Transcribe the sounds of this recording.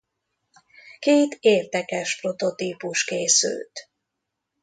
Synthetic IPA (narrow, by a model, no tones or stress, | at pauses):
keːt̪eːrd̪ɛkɛʃpro̞t̪o̞t̪iːpuʃkeːsy̰lt̪